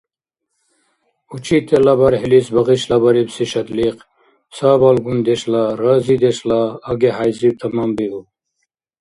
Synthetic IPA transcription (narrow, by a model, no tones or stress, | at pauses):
ut͡ʃit̪elɐbɐɾɦilisbɐɣiɕlɐbɐɾibsiɕɐt̪liq | saːbɐlɡund̪eɕlaɾaːzid̪eɕlaːɡeɦajzib̚t̪ʰɐmambiu